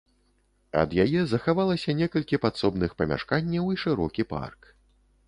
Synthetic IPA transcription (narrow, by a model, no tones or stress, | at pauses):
ɐ̰d̪jajɛzɐxavalˠɐsʲɐnʲɛkɐlʲkʲipat̪sɔbnɨxpɐmʲa̰ʂkanʲːɐwiʂɨɾɔkʲipa̰rk